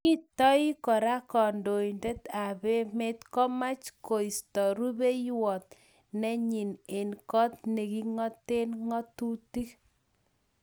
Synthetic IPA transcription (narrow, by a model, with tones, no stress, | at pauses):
ki˦tɔ˦i˦kɔ˨ɾa˦kɔ˨ndo˨inde˦ta˨be˦me˦t̪kɔ˦ma˦t͡ʃko˨i˨stɔ˨ɾu˦be˦jwɔ˨t̪̚ | nɛ˦ɲi˨ne˨nkɔ˦t̪nɛ˨ki˦ŋɔ˦te˦nŋɔ˦tu˦ti˦k